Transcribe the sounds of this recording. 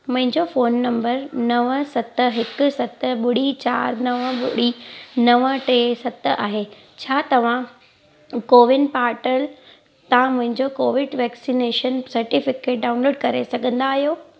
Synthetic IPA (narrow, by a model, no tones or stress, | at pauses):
mʊ̃ɦɪ̃ɲd͡ʑofoːnːɐ̃mbəɾnɐʋsɐt̪ɦɪkʊ̆sɐt̪ɓʊɽ̤it͡ɕa̰ːɾnɐʋɓʊɽ̤inɐʋəʈeːsɐt̪ʔaːɦe | t͡ɕʰaːt̪ɐʋ̤ã | koːʋɪnpaːɾʈəl | t̪ãmʊ̃ɦɪ̃ɲd͡ʑokoːʋɪɖʋɛːksineːʃənsɐɾʈɪfɪkeːʈ̚ɖaːʊnloːɖkɐɾesɐɡʱə̃nd̪aːɦijoː